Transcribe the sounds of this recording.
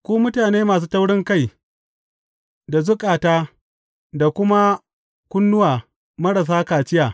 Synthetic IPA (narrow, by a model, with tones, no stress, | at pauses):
kʷuː˦mʊ˦taː˨neː˦maː˨s̬uː˦ta˦wɽɪ˦ŋka˦˨j | da˨zʊ˦kʼaː˨taː˦ | da˨kʷʊ˦ma˦ | kʷʊ˦nːʊ˦waː˨ | mɐ˦ɽɐ˨s̬aː˦kaː˨t͡ʃɪ˦jaː˨